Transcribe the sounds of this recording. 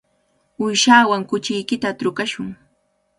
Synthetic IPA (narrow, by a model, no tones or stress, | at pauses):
ʊjʃaːwaŋkʊt͡ʃɪjkɪt̪at̪ɾʊkaʃʊŋ